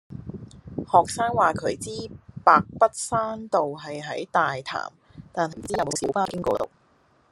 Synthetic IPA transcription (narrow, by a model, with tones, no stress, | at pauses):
hɔː˨k̚saː˥ŋwaː˨kʰɵ˨˥ɥt͡siː˥paː˨k̚pɐ˥t̚saː˥nt̪o˨wɦɐ˨jɦɐ˨˥jt̪aː˨jt̪ʰa̰ː˨˩m | t̪aː˨˩nɦɐ˨˩m̩˨˩t͡siː˥ɐ˨wmo˨˧wsiː˨˥wpaː˥kɪ˥ŋkɔ̰ː˧t̪o̰˨˩w̚